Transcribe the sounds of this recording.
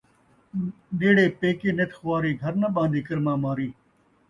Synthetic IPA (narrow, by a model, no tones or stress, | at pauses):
ɗeːɽeːpeːkeːnet̪xʋaːɾiːɡʱəɾnəɓãːnd̪iːkəɾmãːmaːɾiː